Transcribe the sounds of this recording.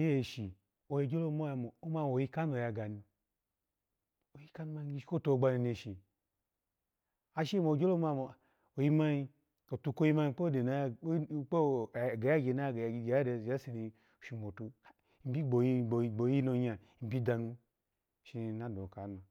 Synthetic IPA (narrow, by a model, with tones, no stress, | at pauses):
je˦e˨ʃi˨ | o˨je˧d͡ʒo˦lo˦mo˦ja˧˨mo˨o˦ma˧˨o˨ji˧ka˦no˨ja˧ɡa˨ni˧ | o˨ji˦ka˦nu˦ma˧˦i˦ʃi˦ko˦˨to˧˦˨ɡ͡ba˧ni˨ne˧˨ʃi˨ | a˧˦ʃi˦e˦mo˨d͡ʒo˦lo˦ma˧mo˨ | o˨ji˦ma˦ji˧ | o˨tu˧ko˦ji˧ma˧˦i˧˦k͡po˦de˨na˨˦k͡po˦˨ɡa˨ja˦ɡe˨na˦˨ɡa˨˦a˦de˨a˦si˨ni˧˨ | ʃi˧mo˨tu˧˨ | m̩˨bi˦ɡ͡bo˨ji˧o˨ɡ͡bo˨˦i˦no˨˧ɲa˨m̩˨bi˦da˨nu˧˨ | ʃi˧na˦do˨ka˨˦no˨